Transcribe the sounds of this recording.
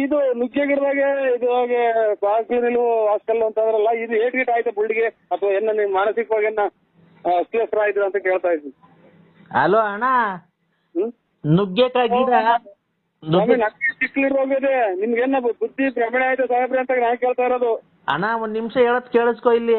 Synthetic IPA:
id̪unuɡjek̬ɐɽd̪aːɡeid̪uaːɡesaːklinilɐʋuaːskɐlːuɐnt̪ɐnd̪ɐɾɐlːɐid̪ueːʈɾiʈaːjit̪ːebuɭɖiɡeɐt̪ɐʋɐenːɐnimaːnɐsikːɐʋaːɡenːɐ | ɐslesɐɾaːɡid̪ɾɐnt̪ɐke̞ːɭt̪aːjid̪i | ɦɐloːɐɳa | nuɡjekaːɡiːɾɐ | nuɐmenɐnɡesikːɐliɾboːɡed̪enimɐɡenːɐbud̪ːipɾɐmɛɽaːjit̪ːesaːɦɐbɾeɐnt̪aːɡenaːnkeːɭt̪aːiɾoːd̪u | ɐ̰ɳaond̪nimʂɐeːɭot̪ːkeːɭuskoilːi

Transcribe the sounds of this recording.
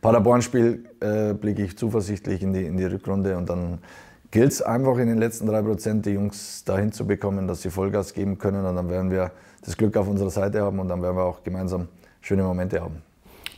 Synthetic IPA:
pʰaɾabɔɐnʃpiːlʔɛːblɪkəɪçt͡suːfɐzɪçtlɪçɪndiɪndiːʁʏkʁʊndəʊnt̚d̥an | ɡ̥ɪltsʔa̰ɪnfaχɪndeːnlɛt͡stn̩d̥ʁaɪpʁ̥ot͡sɛnt̚d̥ɛɐjʊŋsd̥ahɪnt͡subəkʰɔməndasz̥iːfɔlɡaːsɡ̥eːbm̩kʰœnənʊntd̥anveːɐdn̩viːɐ | d̥asɡ̥lʏkaʊfʊnzəʁɐzaɪtəhaːbm̩ʊntd̥anveːɐdn̩viːɐaʊxɡ̥əmaɪnzaːm | ʃøːnəmomɛntəha̰ːbm̩

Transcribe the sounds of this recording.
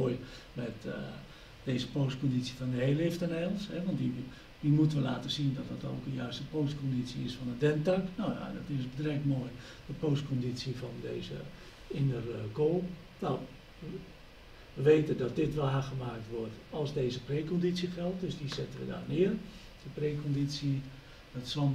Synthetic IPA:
oj | mɛt | d̥eːzəpoːst̚kondisji̥fɔndəheːlɪftənɛlˠshɛʋɔnti | dimutəʋəlaːtəsindɔt̚dɔto̰ːkənjœɥstəpoːstkondit͡siɪsfɔnədɛntaknowja̰dɔtɪsədrɛk̚moːj | dəpoːst̚kondit͡səfɔndeːzə̰ | ɪnərkoːlˠ | naw | ʋəʋeːtədɔt̚dɪtʋaːɣəmaːk̚tʋʊrtɔlˠzdeːzəpreːkondisjixɛlˠt̚døsdizɛtənʋə̰da̰ːrnɪər | dəpreːkʰondit͡sjə | dɔtsɔ

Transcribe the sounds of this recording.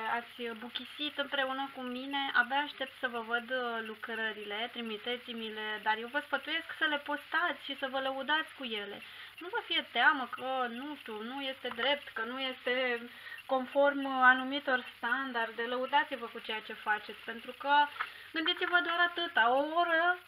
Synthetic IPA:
at̪sʲbukʲisit̪ɨmpɾe̞unəkumine̞ʔabaːʃt̪e̞p̚t̪səvəvəd̪lukɾəɾile̞t̪ɾimit̪e̞t̪simile̞d̪arjewvəspət̪uje̞sksəle̞po̞st̪at̪sʲʃisəvələud̪at̪sʲkuje̞le̞̰nuvəfije̞t̪eaməkənut̪unuje̞st̪e̞d̪ɾe̞p̚t̪kənuje̞st̪e̞ko̞nfo̞rmanumit̪o̞rst̪and̪ard̪eləud̪at̪sivəkut͡ʃe̞jat͡ʃe̞fat͡ʃe̞t̪sʲpe̞nt̪ɾukə | ɡɨnd̪it̪sʲivəd̪owaɾat̪ɨt̪aooɾə

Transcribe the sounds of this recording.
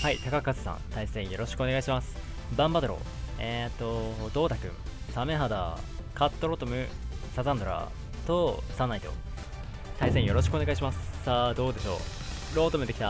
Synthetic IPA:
hait̪akakːazɨ̥sã̰nt̪aisẽ̞ɰ̃jo̞ɾo̞ɕi̥kɯoneɡaiɕimasɨ̥ | bãmbad̪oɾo̞̰ | et̪ːo̞d̪o̞ːt̪akɯ̟̰̃ɴ | same̞ɦad̪a̰ | kat̪ːo̞ɾo̞t̪o̞mɯ̟sazãnd̪o̞ɾa̰ | t̪osãnːait̪o̞̰ | t̪aisẽjo̞ɾo̞ɕ̬ikɯo̞ne̞ɡaiɕ̬imasɨ̥sad̪o̞ːd̪e̞ɕo̞̰ː | ɾo̞ːt̪o̞mɯ̟d̪e̞kʲi̥t̪a

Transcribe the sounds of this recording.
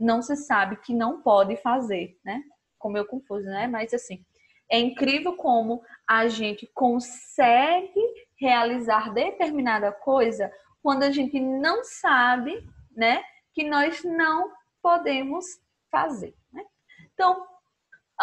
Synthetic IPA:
nɐ̃w̃sɪsabɪkɪnɐ̃w̃pɔd̪ɪfazeɾnɛ | kõmʊewkõfuzʊnɛmɐjzasĩ | ɛĩkɾivewkõmʊaʒẽnt̪ɪkõssɛɡɪ | healizaɾd̪et̪eɾmĩnad̪ɐkojzɐ | kwɐ̃nd̪ʊaʒẽnt̪ɪnɐ̃w̃sabɪnɛ | kɪnɔznɐ̃w̃ | pod̪ẽmʊs | fa̰zeɾnɛ̃ | t̪ɐ̃w̃

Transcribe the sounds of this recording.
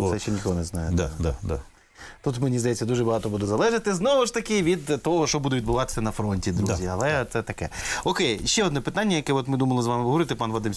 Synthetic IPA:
sɛʃʃɛnʲixk̪ɔɔnɛznɑjɛd̪ad̪ad̪a̰ | t̪ut̪menʲizd̪ɐjɛt͡sʲːɐd̪uʒɛbɐɦɑt̪ɔbud̪ɛzɐlˠɛʒɪt̪ɪznɔʋɪʃt̪ɐkɪʋʲid̪t̪ɔɦɔʃɔbud̪ʊʋʲid̪bʊʋɑt̪ɪ̥sʲɐnɐfɾɔnʲtʲid̪ɾuzʲiɐlˠɛt̪sɛt̪ɐkɛɔkejʃt͡ʃːɛɔd̪nɔpɪt̪ɑnʲːɐjɐkɛɔt̪mɪd̪umɐlˠɪzʋɑmɪɦɔɾɪt̪ɪpɑnʋɐd̪ɪm

